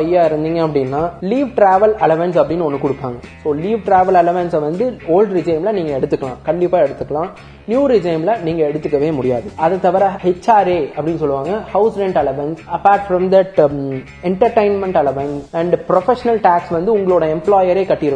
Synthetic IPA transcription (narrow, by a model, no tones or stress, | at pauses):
ɐjːaːɪɾɯnd̪iːŋɡɐɐpːɐɽɪnːaːliːʋʈɾaːʋɐlɛlɐʋɐnsɐpːɐɽɪnːɯɔnːɯkʊɽɯpːa̰ːŋɡɐsoːliːʋʈɾaːʋɐlɛlɐʋɐnsʋɐnd̪ɯoːlɖɾɪd͡ʒɐɪmlɐniːŋɡɐɛɽɯt̪ːɯkːɐɭã̰ːkɐɳɖɪpːaːɛɽɯt̪ːɯkːɐɭãː | njuːɾɪd͡ʒɐɪmlɐniːŋɡɐɛɽɯt̪ːɯkːɐʋeːmʊɽɪja̰ːðɯɐðɐt̪ːɐʋɐɾɐhɛt͡ʃːaːɾeːɐpːɐɽɪnːɯsɔlːɯʋãːŋɡɐhɐʊsɾɛ̃ɳʈɛlɐʋɐnsɐpːaːɾʈfɾɐmd̪ɐʈ | ɛɳʈɐɾʈeɪnmɛɳʈɛlɐʋɐnsɐɳɖpɾɔfɛʂɐnɐlʈaːksʋɐnd̪ɯʊŋɡɐɭoːɽɐɛmploːjɐɾeːkɐʈːɪɾɯ